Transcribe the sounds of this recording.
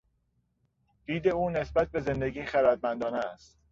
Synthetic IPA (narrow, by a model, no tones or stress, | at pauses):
d̪̥iːd̪e̞uːne̞sbæt̪̚ʰbe̞ze̞nd̪eɡiːxæɾæd̪̚mænd̪ɒːnest̪